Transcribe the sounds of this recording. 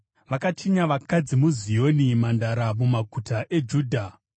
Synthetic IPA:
ʋakatʰiɲaʋakad͡zimuzijo̞nimandaɾamumaɡutʰaʔe̞d͡ʒuːdʱa

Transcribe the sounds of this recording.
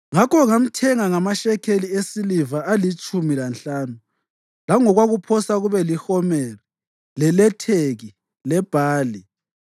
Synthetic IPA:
ŋakʰɔŋam̩tʰɛŋaŋamaʃɛkʰeliesilivaʔalit͡ʃʼumilanɬaːnu | laŋɔɣwaɣupʰɔsaɣuβɛlihɔmɛri | lɛlɛtʰeɣi | lɛb̥ʱaːli

